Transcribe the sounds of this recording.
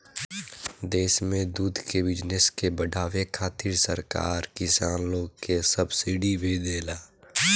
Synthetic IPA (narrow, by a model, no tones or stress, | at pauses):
d̪eːsmẽd̪uːd̪ʱkebɪd͡ʒneskebəɖʱaːʋekʰaːt̪ɪɾsəɾka̰ːɾkɪsaːnloːɡkesəbsiɖibʱid̪eːlaː